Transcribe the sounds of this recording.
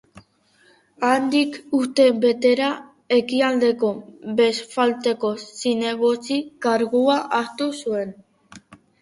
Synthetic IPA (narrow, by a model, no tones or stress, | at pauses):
and̪ikust̪e̞be̞t̪e̞ɾa | e̞kiald̪e̞ko̞be̞sfalt̪e̞ko̞sine̞ɣo̞t͡sikaɾɣuaʔast̪usue̞n